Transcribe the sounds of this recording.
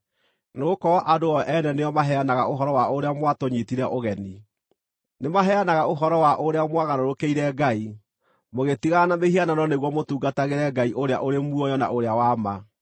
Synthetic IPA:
nokɔʔadoɔʔɛnɛnejɔmaɦɛanaɣaʔoɦɔɾɔwaoɾeamwatoɲitiɾɛʔoɣɛni | nemaɦɛanaɣaoɦɔɾɔwaʔoɾeamwaɣaɾoɾokeiɾɛɡai | moɣetiɣanameɦiananɔneɣwɔmotuːɡataɣeɾɛɡaiʔoɾea̰ʔoɾemuɔjɔna̰ʔoɾeawama

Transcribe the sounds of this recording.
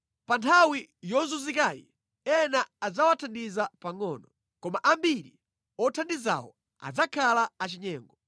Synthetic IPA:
pantʰawijɔnzuzikajḭ | ɛnaːd͡zawatʰandizapaŋɔːnɔ | kɔmaʔambiɾi | ɔtʰandiza̰wɔ̰ | a̰d͡zakʰalaat͡ʃiɲɛːŋɡɔ

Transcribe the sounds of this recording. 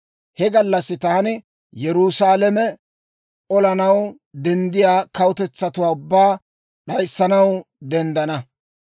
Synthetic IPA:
hɛɡɐlːɐsːɪt̪aːnɪ | jɛɾuːsaːlɛmɛ | ʔɔlɐnɐw | d̪ɛnd̪ɪjaːkɐwʊt̪ɛt͡sːɐt̪ʊwaːʊbːaː | ɗɐjsːɐnɐw | d̪ɛnd̪ɐnɐ

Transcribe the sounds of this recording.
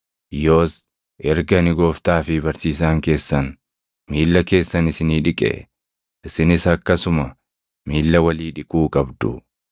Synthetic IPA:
joːs | ʔɛɾɡɐnɪɡoːft̪aːfɪbɐɾsiːs̬aːŋke̞ːsːɐn | miːlːɐke̞ːsːɐnɪsɪniːᶑɪkʼɛ̰ | ʔɪsɪnɪsɐkːɐsʊmɐ | miːlːɐwɐliːᶑɪkʼuːkʼɐbd̪ʊ̰

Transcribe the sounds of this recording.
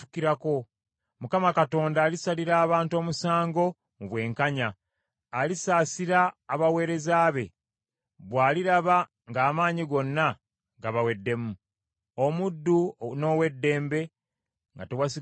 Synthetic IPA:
ukiɾako̞ | mukamakato̞ːndaːlisaliɾaːβaːnto̞ːmusaːŋɡo̞ | muβwe̞ːŋkaɲaː | lisaːsiɾaːβawe̞ːɾe̞zaːβe̞ | βwaːliɾaβa | ŋɡaːmaːɲiɡo̞nːa | ŋɡaβawe̞dːe̞mu | omudːuno̞we̞dːe̞ːmbe̞ | ŋɡa̰tewas̬i

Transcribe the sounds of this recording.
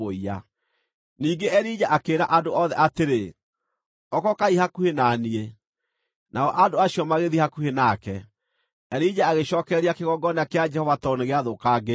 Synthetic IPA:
oia | niːɡeʔɛɾid͡ʒaʔakeːɾaʔadoɔðɛʔateɾe | ɔkɔkaihakuhenanie | nʔaɔʔadoaɕijɔmaɣeðihakuhenakɛ | ɛɾid͡ʒaaɣeɕɔːkɛɾiakeɣɔɡɔnakead͡ʒɛhɔvatɔneɣeaðokaːɡe

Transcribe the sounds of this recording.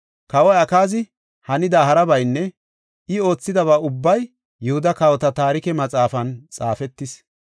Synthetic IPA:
kɐwɐjɐkaːz̬ɪ | hɐnɪd̪aːɦɐɾɐbɐjnːɛ | ʔɪo̞ːt͡sːɪd̪ɐβaːʊbːɐj | jɛhʊd̪ɐkɐwɔt̪ɐt̪aːɾɪkɛmɐt͡sʼaːfɐnt͡sʼaːfɛt̪ːɪs

